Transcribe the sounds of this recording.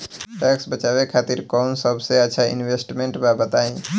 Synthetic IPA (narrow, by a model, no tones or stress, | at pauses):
ʈɛksbət͡ʃaʋekʰat̪iɾkɔʊnsəbʱseət̪ːʃʰaḭnwesʈmẽɳʈbabət̪aĩ